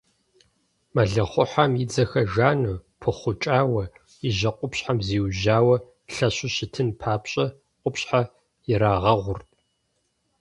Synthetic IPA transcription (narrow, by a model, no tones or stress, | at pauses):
mɐɮɨχʷʊħamjɪd͡zɐxɐʒaːnupʰɨχʷʊt͡ʃʼaːwɐ | ɪʑɐqʷʼʊpɕħamziːwʒaːwɐ | ɬɐɕʊɕɪtʰɨnpʰaːpɕʼɐ | qʷʼʊpɕħa | jɪɾaːʁɐʁʷʊrtʼ